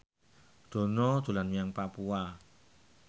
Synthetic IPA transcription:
d̪̥o̤nɔd̪̥o̤lanmijaŋpapua

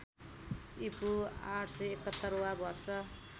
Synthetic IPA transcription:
ipuaʈʰsʌjekʌt̪ːʌɾuwabʱʌrsʌ

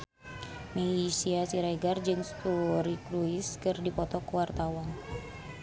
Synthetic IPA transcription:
mɛisiasiɾaiɡard͡ʒɨŋst̪uɾikɾuiskɨrdipɔt̪ɔkuwart̪awan

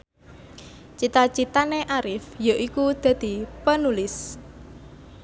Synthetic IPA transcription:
t͡ʃit̪at͡ʃit̪aneʔaɾɪfjaʔikud̪̥a̤d̪̥i̤pənulɪs

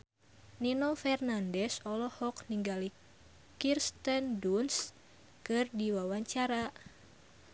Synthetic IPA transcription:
ninɔfɛrnandɛsɔlɔhɔkniŋɡali | kirst̪ənduns | kɨrdiwawaɲt͡ʃaɾa

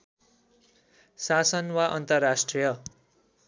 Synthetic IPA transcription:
sasʌnwaʔʌnt̪ʌrːasʈrijʌ

